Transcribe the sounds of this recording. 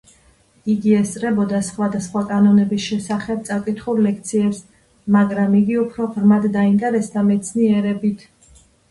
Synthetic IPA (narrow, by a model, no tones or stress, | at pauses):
iɡiɛst̪sʼɾɛbɔd̪asχwad̪asχwakʼanɔnɛbisʃɛsaχɛb̚t̪sʼakʼit̪ʰχuɾlɛkʰt̪sʰiɛps | maɡɾamiɡiupʰɾɔʁɾmad̪d̪aint̪ʼɛɾɛsd̪amɛt̪sʰniɛɾɛbit̪ʰ